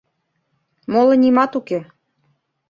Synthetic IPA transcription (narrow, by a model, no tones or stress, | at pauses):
molˠɤ̆nʲimɑt̪uke